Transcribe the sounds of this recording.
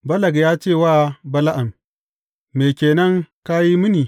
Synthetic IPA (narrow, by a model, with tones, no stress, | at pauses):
bɐ˦lɐ˨ɡjaː˦t͡ʃeː˦˨waː˦˨bɐ˦la˦ʔa˨mː | eː˨kʲeː˨nɐ˦ŋka˦ji˦mɨ˦niː˨